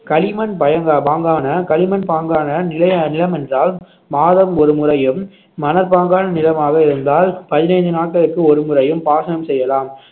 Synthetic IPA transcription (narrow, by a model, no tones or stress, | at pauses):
kɐlɪmɐnpɐjɐŋɡapaːŋɡaːnɐkɐlɪmɐnpaːŋɡaːnɐnɪlɐjnɪlɐmɛndraːl | maːðɐmɔɾɯmʊrɐjɯmː | ɐnɐɾpaːŋɡaːnɐnɪlɐmaːɣɐɪɾɯnd̪aːlpɐðɪnɐɪɲd̪ɯnaːʈ̚kɐlɯkːɯɔɾɯmʊrɐjɯmpaːsɐnɐmsɛjːɐlaːm